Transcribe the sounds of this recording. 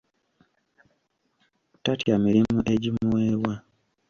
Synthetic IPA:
tatjamiɾimuʔe̞ɟimuweːwa

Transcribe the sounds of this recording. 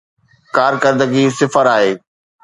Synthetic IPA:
kaːɾkəɾd̪əɡisɪfəɾaːɦeː

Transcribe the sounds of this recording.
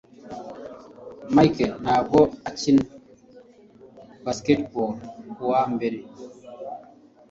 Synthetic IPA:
majkelnaːbɔat͡ʃin | basketbɔbowambeɾe

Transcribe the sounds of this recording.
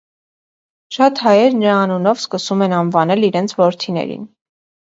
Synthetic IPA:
ʃɑt̪hɑjɛɾnəɾɑːnunɔvskəsumɛnɑnvɑnɛliɾɛnt͡sʰvɔɾt̪ʰinɛ̰ɾḭn

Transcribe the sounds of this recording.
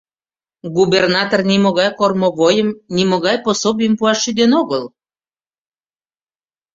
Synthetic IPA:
ɡubernɑt̪ornimoɣɑjkormoβojəmnimoɣɑjposobijəmpuɑʃːyd̪enoɣəl

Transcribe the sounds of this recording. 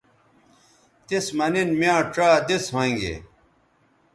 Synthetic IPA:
t̪ismɐninmjãːʈ͡ʂaːd̪isɦõŋɡḛː

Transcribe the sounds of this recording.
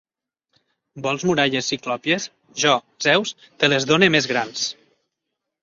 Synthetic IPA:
bɔlˠzmuɾaʎesiklɔpjes | ʒɔ | zɛws | t̪elezðonemezɣɾans

